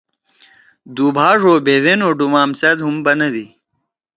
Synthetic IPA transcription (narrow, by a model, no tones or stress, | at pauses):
d̪uːbʱaːʐoːbʱeðenoːɖumaːmsed̪ɦumbɐnɐd̪i